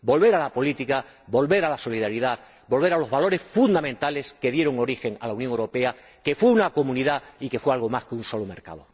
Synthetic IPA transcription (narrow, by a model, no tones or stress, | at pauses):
bo̞lβe̞ɾalapo̞lit̪ika | bo̞lβe̞ɾalaso̞liðaɾiðað | bo̞lβe̞ɾalo̞zβalo̞ɾe̞sfund̪amẽnt̪ale̞ske̞ðje̞ɾo̞ŋo̞ɾixe̞ŋa̰launjoŋewɾope̞a | ke̞fweunako̞mũniðaike̞fwealɣo̞maskeunso̞lome̞ɾka̰ðo